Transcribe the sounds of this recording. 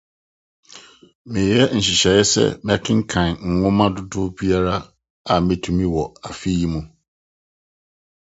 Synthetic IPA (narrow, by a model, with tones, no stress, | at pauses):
mɪ̃˨jɛ˦n̩˨ɕi˨ɕɛ˨jɛ˦sɛ̰˦mɛ̃˦kʰɪ̃˦ŋ̩˦kʰã˨n˨ŋ̩˨ŋʊ̃˦mã˦dʊ˦dʊ˦bi˦a˦ɾa˦ | a˨mɪ̃˨tʰũ˨mĩ˦wɔ˨a˨fi˦ji˦mũ˨